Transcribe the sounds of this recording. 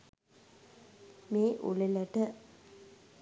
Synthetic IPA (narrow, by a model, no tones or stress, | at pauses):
meːʔṵliləʈə